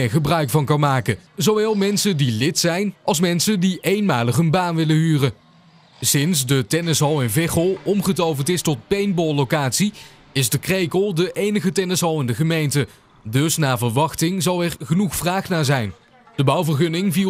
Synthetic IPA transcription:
ɪɹχəbrœɥkfɑnkɑnmaːkəzowʋɛːlˠmɛnsədilɪtsɛjnɑlˠs̬mɛnsəndiʔejnmaːləχənbaːnʋɪləɦyːrə | sɪnsdətɛnɛsowɪnvɪχəlˠɔmχətowvəntɪstɔt̚pejnbɔlˠlokaːtsi | ɪzdəkrejkəlˠdəʔejnəχətɛnɛsowɪndəχəmejntə | dɵsnaːvəɹʋɑχtɪŋzɑlˠɛɹχənuχfraːχnaːɹzɛjn | d̥əbɑwvərɣɵnɪŋvi

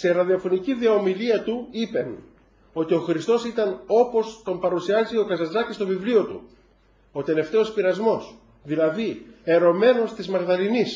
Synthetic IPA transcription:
se̞ɾɐðiɐfo̞niciðiɐomiliɐt̪uipe̞n | o̞t̪io̞xɾist̪o̞sit̪ɐno̞po̞st̪o̞mpɐɾusiɐzio̞kɐzɐzɐcist̪o̞vivlio̞t̪ṵ | o̞t̪e̞le̞ft̪e̞o̞spiɾɐzmo̞s | ðilɐðie̞ɾo̞me̞no̞st̪izmɐɣðɐlinis

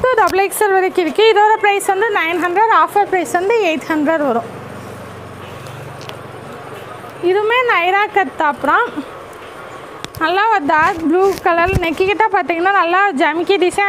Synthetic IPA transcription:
t̪oɖɐblɐksɐɾʋɐɾɐkːɪɾɯkːɯɪðoːɾɐpɾɐɪsʋɐnd̪ɯnɐɪnɦɐnɖɾɐɾaːfɐɾpɾɐɪsʋɐnd̪ɯeɪt̪hɐɳɖɾɐɾʋɐɾʊ̃ | ɪðɯmeːnɐɪɾaːkɐt̪ːaːpɯɾã | nɐlːaːɐd̪aːbluːkɐlɐlnɛkːɪkɪʈːaːpaːt̪ːiːŋɡɐnːaːnɐlːaːd͡ʒɐmɪkːid̪ɪsɐ

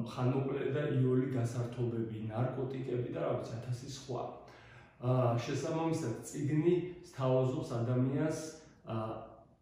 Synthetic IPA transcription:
mχanɔkʼlɛd̪aʔiɔliɡ̪asaɾt̪ʰɔbɛbinaɾkʼɔt̪ʼikʼɛbid̪aɾavit̪sʰiat̪ʰasisχwa̰ | ʃɛsabamisad̪t̪sʼiɡnist̪ʰavazɔpsad̪amians

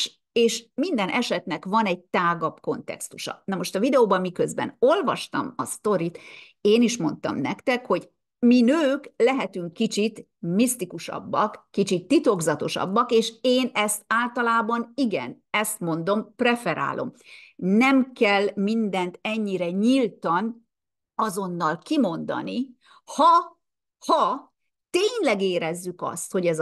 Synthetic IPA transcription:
eːʃmind̪ɛnʔɛʃɛt̪nɛkvɒnɛɟ̚t̪aːɡɒpko̞nt̪ɛ̰kst̪uʃɒ̰nɒmo̞ʃt̪ɒvid̪ɛoːbɒmːikø̞zbɛ̰no̞lvɒʃt̪ɒ̰mɒst̪o̞ɾit̪ | eːniʃmo̞n̪t̪ɒ̰mnɛkt̪ɛkho̞ɟ | minøːklɛɦɛt̪yŋkːit͡ʃit̪ | mist̪ikuʃɒ̰bːɒkːit͡ʃit̪ːit̪o̞ɡzɒt̪o̞ʃɒ̰bːɒkeːʃeːnɛst̪aːlt̪ɒlaːbɒniɡɛ̰n | ɛst̪mo̞nd̪o̞mprɛfɛɾa̰ːlʔo̞̰mnɛmkɛlmind̪ɛnt̪ɛɲːiɾɛɲilt̪ɒn | ɒzo̞nːɒlkimo̞nd̪ɒ̰ni | hɒ | hɒ | t̪eːɲlɛɡeːɾɛzːykɒ̰st̪ho̞ɟɛz

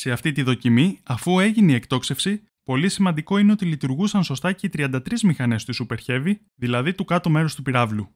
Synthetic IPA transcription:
se̞ɐft̪it̪iðo̞cimiɐfue̞ʝineie̞kt̪o̞kse̞fsi | po̞lisimɐnd̪iko̞ine̞o̞t̪ilit̪uɾɣusɐnso̞st̪ɐce̞it̪ɾiɐnd̪ɐt̪ɾizmixɐne̞st̪usupe̞ɾçe̞vi | ðilɐðit̪ukɐt̪ome̞ɾo̞st̪upiɾɐvlu

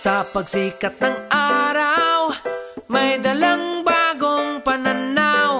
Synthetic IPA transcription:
sɐpɐɡsiːkɐt̪̚nɐŋʔaːɾawmɐjd̪ɐlaŋbaːɡoŋpɐnanaw

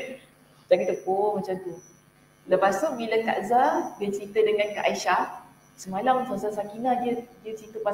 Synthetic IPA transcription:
d͡ʒakit̪əpomat͡ʃamt̪u | ləpasʊʔ̚bilaka̰ʔzabət͡ʃəɾit̪ədəŋãnkaʔaiʃah | səmalamsasasakinãdiədiəsit̪upa

